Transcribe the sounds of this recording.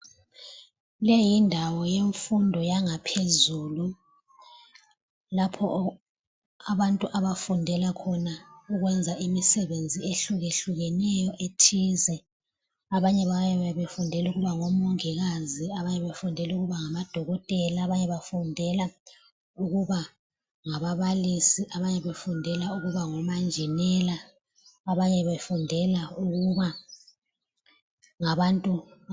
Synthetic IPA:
lejindʱawɔjeɱfundʱɔjaŋapʰezuːlu | lapʰɔ̰ | aβantʼuʔaβafundʱɛlakʰɔnauɣwɛnd͡zʱaʔimisɛβend͡zʱieɬuɣeɬuɣɛnɛjɔʔetʰizɛ | aβaɲɛβajɛβɛβefundʱɛluɣuβaŋɔmɔŋiɣaziaβaɲɛβefundʱɛluɣuβaŋamad̥ʱɔɣɔtʼɛlaːβaɲɛβafundʱɛla | uɣuβa | ŋaβaβalisiʔaβaɲɛβefundʱɛlauɣuβaŋɔmand͡ʒʱɛnɛlaː | βaɲɛβefundʱɛlauɣuβa | ŋaβantʼu

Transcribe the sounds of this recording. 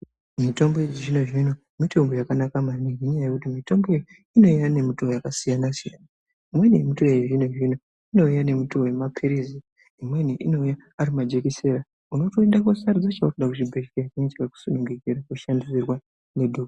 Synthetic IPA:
mito̞mboed͡ʒiʐino̞ʐino̞ | mito̞mbojakanakamaniɦeɲajaje̞kutimito̞mboeji | ino̞ijane̞mutoojakasijanasija̰na | imwe̞nijemito̞eʐinoʐino | ino̞ujane̞mutoemapʰiɾizi | imwe̞niʔino̞uja | aɾimad͡ʒe̞kise̞ɾa | uno̞to̞eɗako̞sarud͡zat͡ʃaukuɗakut͡ʃibʱeʃkekeɲt͡ʃekaku̥sonuŋɡeɡeɾakuʃandisirwa | nedʱoka

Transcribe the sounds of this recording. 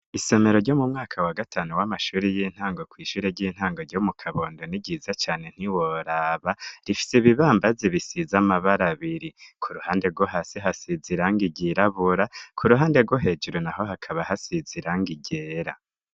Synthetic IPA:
ise̞me̞ɾo̞ɾɟo̞mumŋaːkʰawaɡatʰaːnuwamaʃuːɾejin̥haːŋɡo̞kwiːʃuːɾeɟiːn̥haːŋɡoɾɟomukʰaβo̞ːndo̞niɟizat͡ʃaːne̞n̥iwoɾaːβaɾifi̥seβiβaːmbaziβisizamaβaɾaβiɾikʰuɾuhaːnde̞ɾɡwoɦaseɦasiziɾaŋɡiɟiɾaβuɾakʰuɾuɦaːnde̞ɾɡwo̞ɦe̞d͡ʒuɾonaɦo̞ɦakʰaβaɦasiziɾaŋɡiɟeːɾa

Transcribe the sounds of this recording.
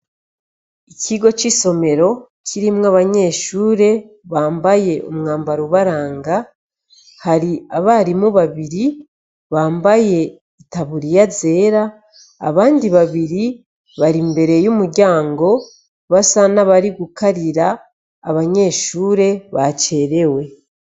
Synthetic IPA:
iciɡo̞t͡ʃiso̞me̞ɾo̞ | cʰiɾimŋaβaɲe̞ːʃuːɾe̞ | βaːmbaje̞ʔomŋaːmbaɾuβaɾaːŋɡa | haɾiaβaɾimuβaβiɾi | βaːmbaje̞ | itaβuɾijaze̞ːɾa̰ː | βaːndiβaβiɾi | βaɾimbe̞ɾe̞jumuɾɟaːŋɡo̞ | βasanaβaɾiɡukaɾiɾa̰ː | βaɲe̞ːʃuːɾe̞βat͡ʃe̞ːɾe̞we̞

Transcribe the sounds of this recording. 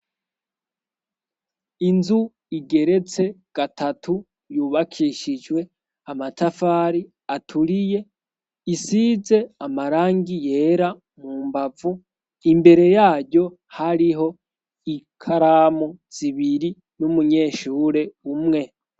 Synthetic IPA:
inzu | iɡe̞ɾe̞t͡se̞ɡ̥atʰatʰu | juːβakʰiʃid͡ʒwe̞ | amatafaːɾi | atʰuɾije̞ | isize̞amaɾaːŋɡije̞ːɾa | muːmbavu | imbe̞ɾe̞jaːɾɟo̞ | haɾiɦo̞ | ikʰaɾaːmoz̥iβiɾi | numuɲe̞ːʃuːɾe̞umŋe̞

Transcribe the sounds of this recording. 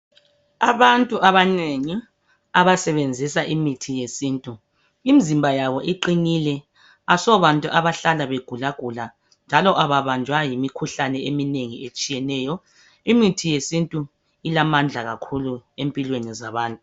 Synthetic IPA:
aβantʼuʔaβaneŋi | aβasɛβend͡zʱisaʔimitʰijesiːntʼu | imizimbʱajaβɔʔiǃinilɛ | asɔβantʼuʔaβaɬalaβeɡ̥ʱulaɡ̥ʱula | nd͡ʒʱalɔʔaβaβand͡ʒʱwajimikʰuɬanɛemineŋiet͡ʃʼijɛnɛːjɔ | imitʰijesintʼu | ilamand͡ɮʱaɣakʰuluempʼilwenizaβaːntʼu

